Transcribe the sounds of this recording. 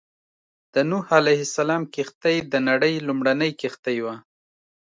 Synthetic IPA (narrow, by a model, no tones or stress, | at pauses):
d̪̥ənuhalajhɪsalɑmkɪxt̪əjd̪ənaɽəjlʊmɽanəjkɪxt̪ajwa